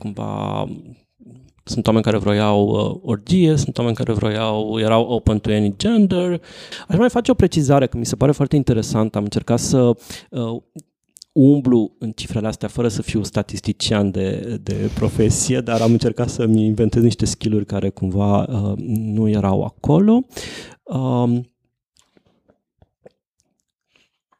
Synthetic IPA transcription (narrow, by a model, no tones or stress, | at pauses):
kumva̰ | sunt̪wame̞nʲkaɾe̞vɾo̞jawə̰ord͡ʒije̞sunt̪wame̞nʲka̰ɾe̞vɾo̞̰jawjeɾawowpənt̪uenid͡ʒend̪eraʃmajfat͡ʃe̞o̞pɾe̞t͡ʃizaɾe̞kəmise̞paɾe̞foart̪eint̪e̞ɾe̞sant̪amɨnt͡ʃe̞rkat̪sə | umbluɨnt͡ʃifɾe̞least̪eafəɾəsəfiwst̪at̪ist̪it͡ʃiand̪e̞d̪e̞̰pɾo̞fe̞sije̞d̪aɾamɨnt͡ʃe̞rkat̪səminve̞nt̪ezniʃt̪e̞skʲilurʲkaɾʔe̞kumvaənuje̞ɾawa̰ko̞lo̞ | ə